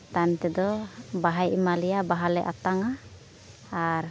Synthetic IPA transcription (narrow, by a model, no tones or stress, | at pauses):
t̪ant̪ɛd̪ɔbaɦajʔimalijabaɦalɛʔa̰t̪aŋaː | ɾ